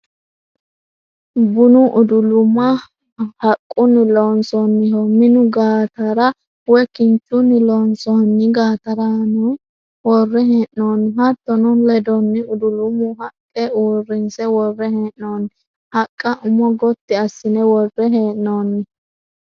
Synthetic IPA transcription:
bʊnʊʔʊd̪ʊlʊmːɐ | hɐkʼːʊnːɪloːnsɔnːɪhɔmɪnʊɡaːt̪ɐɾɐ | wɛkɪnt͡ʃʼːʊnːɪloːnsɔnːɪɡaːt̪ɐɾɐnʊ | wɔrːɛɦeːʔːoːnːɪhɐt̪ːɔnʊlɛd̪ɔnːɪʊd̪ʊlʊmʊɦɐkʼːɛuːrːɪnsɛwɔrːɛheːʔnoːnːɪ | hɐkʼːɐʔʊmɔɡɔt̪ːɪɐsːɪnɛwɔrːɛɦeːʔnoːnːɪ

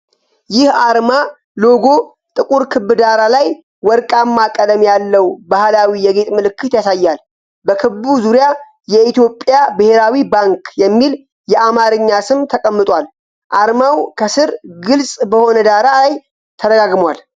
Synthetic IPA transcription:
jɪhaɾma | lo̞ɡo̞ | t̪ʼɨkʼuɾkʰɨbːɨd̪aɾalaj | wɔɾkʼamːakʼələmjalːəwbahlawijɛɡe̞t̪ʼmɨlɨkːɨt̪jasajːal | bəkʰɨbuzuɾja | jɛit̪jo̞pʼːjabɨhe̞ɾawibaŋkjɛmːil | jɛʔamaɾɨɲːasɨmt̪ʰəkʼəmːɨt̪ʼwal | ʔaɾmawkʰəsɨɾɡɨlsʼbəho̞nəd̪aɾaj | t̪ʰəɾəɡaɡmwal

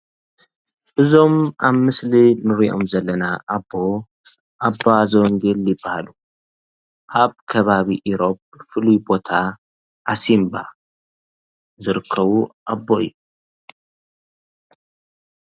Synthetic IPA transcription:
ʔɨzo̞mʔaβmɨslinɨɾiʔo̞̰mzɐlːɐnaʔabːo̞ | ʔabːazɐwɔŋɡeljɪbːahalu | ʔaβkʰɐβaβiʔiɾo̞p̚ | fɨlujbo̞t̪ʰa | ʔasimba̰ | zɨɾɨkʰːɐβuʔabːoɪ̰jːu

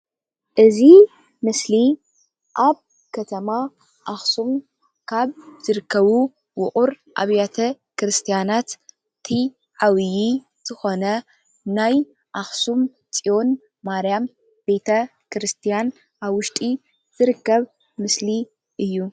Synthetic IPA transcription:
ʔɨzi | mɨsli | ʔaβ | kʰɐt̪ʰɐma | ʔaxsum | kʰaβz̥ɨɾɨkʰːɐβu | wʊχʼuɾ | ʔa̰βjat̪ʰɐ | kɾɨst̪ʰijanat̪ | t̪ʰi | ʕawji | z̥ɨxo̞nɐ | naj | ʔaxsum | t͡sʼijo̞nː | aɾjam | b̥e̞t̪ʰɐ | kʰɾɨst̪ʰijan | ʔaβwʊʃt̪ʼi | z̥ɨɾɨkːɐβ | mɨsli | ʔɨjːu

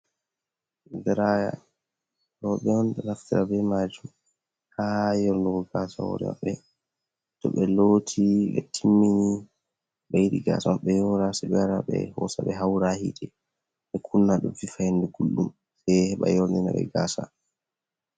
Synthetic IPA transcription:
dɛɾaja̰ | ɗɔɓɛɔnɗɛnaftiɾabɛmad͡ʒum | hajɔɾnduɡɔɡaːsa̰hɔ̰ɾɛ̰ma̰ɓːɛ | tɔɓɛloːtʰiɓɛ̰tʰimːini | ɓajɗiɡaːsamaɓːɛjɔɾasɛɓɛwaɾaɓɛ̰hɔsaɓɛɦawɾahidɛ | ʔɛkʰunːaɗumfifajanduɡ̥ulːum | sɛhɛɓa̰jɔɾnina̰ɓɛ̰ɡaːsa

